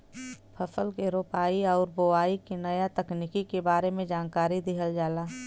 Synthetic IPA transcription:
pʰɐfəlkeɾoːpaːiɔːɾboaːikinɐjat̪ɐkniːkikebaːɾemẽd͡ʒaːnkaːɾid̪ɪɦəld͡ʒaːlaː

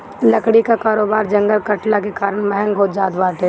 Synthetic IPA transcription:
lɐkɽikakaːɾoːbaːɾd͡ʒɐ̃ŋɡəlkɐʈlakekaːɾəɳ̃mɛɦɛ̃ŋɡɦoːd͡ʒaːt̪ʋaːʈɛ

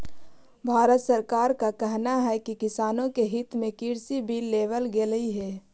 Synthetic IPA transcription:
bʱaːɾət̪səɾkaːɾkakɛɦnaɦɛkikɪsaːnõkeɦɪt̪mẽkiːɾsibʱiːlːeːʋəlɡeləiɦɛː

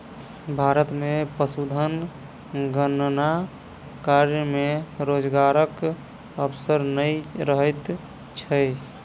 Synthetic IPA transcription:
bʱaːɾət̪mepəsud̪ʱən | ɡənna | kaɾjəmeɾoːd͡ʒɡaɾək | əpsəɾnəiɾəɦət̪ | t͡ʃʰə

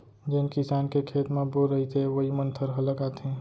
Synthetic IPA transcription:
d͡ʒenkɪsaːnkekʰeːt̪mẽboɾɾəɦit̪ʰeʋəɦimə̃nt̪ʰəɾɦələkaːt̪ʰẽ

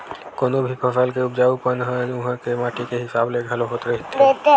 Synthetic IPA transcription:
koːnobʱipʰəsəlkeʊpd͡ʒaːupənɦə̃ʊɦãkemãːʈikeɦɪsaːbleɡʱɐloɦoːt̪ɾəɦit̪et̪e

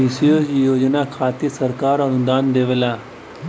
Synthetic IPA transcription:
isiod͡ʒijoːd͡ʒnakʰaːt̪isəɾkaːɾɔɾʊ̃nd̪aːnd̪eːʋəlaː

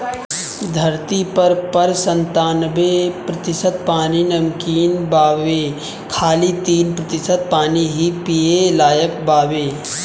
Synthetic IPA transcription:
d̪ʱɐɾt̪ipɐɾpɐɾsə̃nt̪aːnbepɾɐt̪ɪsət̪̚paːninɐmkiːnbaːʋeː | kʰaːlit̪iːnpɾət̪ɪsət̪̚paːniɦipijelaːjəkbaːʋeː

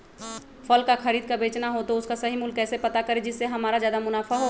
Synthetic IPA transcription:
fʰɐlkaxɐɾiːd̪̚kabeːt͡ʃnaɦot̪oʊskasɐɦimʊlkɛːsepɐt̪akɐɾed͡ʒɪsːeɦɐmaːɾazjaːd̪amʊnaːfaɦo

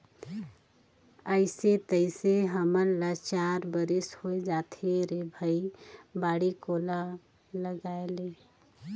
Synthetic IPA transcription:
əɪset̪əɪseɦəməɾlət͡ʃaɾbəɾishoed͡ʒat̪ʰeɾebʱəibaɽikola | ləɡaele

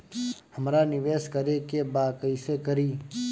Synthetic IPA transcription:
həmɾanɪʋeːskəɾekebaːkəiɪsekəɾiː

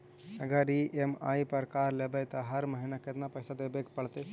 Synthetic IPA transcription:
ɐɡəɾiʔema̰ːipəɾkaːɾlebət̪ɐɦɐɾməɦinakɪt̪napɐɪsad̪eːbekpɐɽt̪e

